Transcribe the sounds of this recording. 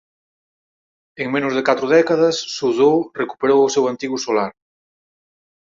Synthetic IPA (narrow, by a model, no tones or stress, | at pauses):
eŋmẽnʊzðekat̪ɾʊðɛkaðɐsːuðoreku̥peɾowʊsewant̪iɣusolaɾ